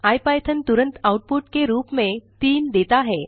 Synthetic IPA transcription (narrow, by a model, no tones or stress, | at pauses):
ajpajt̪ʰənt̪uɾənt̪awʈ̚puʈkeɾuːpmet̪iːmd̪et̪aɦe